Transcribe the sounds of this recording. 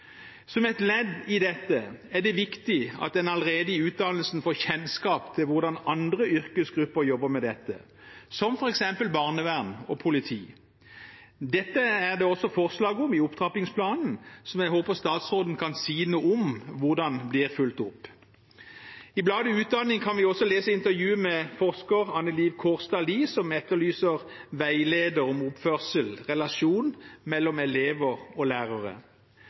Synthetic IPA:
sɔmɛɪt̪lɛd̪ɪd̪ɛt̪ːəæʁd̪ɛʋɪkt̪ɪɑ̰t̪̚d̪ɛnɑləʁeːd̪əɪʉːt̪̚d̪ɑnəl̩sn̩foːçɛnskɑːpt̪ʰɪlʋʊʁd̪ɑnɑnd̪ʁəʔʏʁkəsɡʁʉpːəʁjɔbːəmɛd̪ɛt̪ːə̰ | sɔmfɔʁɛksɛmpəlbɑːʁnəʋæʁnɔpʰʊlɪt̪ʰiː | d̪ɛt̪ːəæʁd̪ɛɔsɔfɔʁslɑːɡɔmɪʊpt̪ʰʁɑpɪŋspʰlɑːnn̩sɔmjɛɡhoːpəʁst̪ɑːt̪sʁoːd̪n̩kʰɑnsiːnuːɔmʋʊʁd̪ɑnblɪːʁfʉlt̪ʊpː | ɪblɑːd̪əʉːt̪̚d̪ɑnːɪŋkʰɑnʋɪɔsːɔleːsəɪnt̪əʁjʉːəmɛfɔʁskəʁɑnəliːʋkʰɔːʁst̪ɑliːsɔmɛt̪ːəʁlyːsəʁʋæɪleːd̪əɾɔmʊpfœʁsəlʁɛlɑʃuːnmɛlːɔmɛleːʋəʁɔlæːʁəʁə̰

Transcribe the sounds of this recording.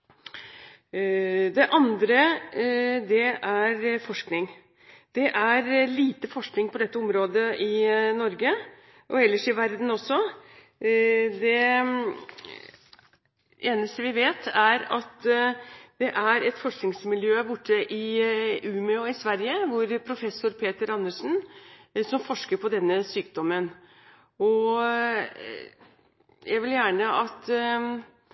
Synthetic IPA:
d̪ɛʔɑnd̪ɾə | d̪ɛæɾfɔʂknɪŋ | d̪̥ɛʔæɾliːt̪əfɔʂknɪŋpɔd̪ɛt̪ːəɔmɾoːd̪əʔɪnɔɾɡə | ʔɔɛlːəʂɪʋæɾd̪n̩ɔsɔ | d̪ɛ | eːnəst̪əʋɪʋeːt̪ʰæɾɑt̪ | d̪̥ɛʔæɾɛt̪fɔʂknɪŋsmɪljøːæbʊʈːəʔɪʔʉːmʏɔɪsʋæɾjəʋʊɾpʰɾʊfɛsːʊɾpʰeːt̪əɾɑnːəʂn̩sɔmfɔʂkəɾpɔd̪ɛnːəsyːk̚d̪ɔmən | ɔ | jʔæɡʋɪljæːɳəʔɑt̪

